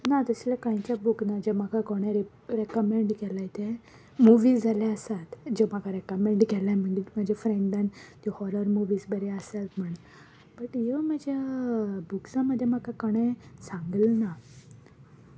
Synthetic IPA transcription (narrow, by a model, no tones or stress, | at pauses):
nat̪əslakãjt͡ɕabuknad͡ʑemakʰakoɽ̃eɾ | ɾekəmeɳɖkɛlajt̪e | muʋiːd͡zʱalaəsat̪d͡ʑemakʰaɾekəmeɳɖkɛlam̤əɳɡimad͡ʑʱefɾẽɳɖãnt̪ɔhɔɾəɾmuʋiːsbəɾeəsat̪m̤əɳ | bəʈjɔmad͡ʑʱjabuksãməd̪ʱːjemakakəɽ̃esãŋɡəlna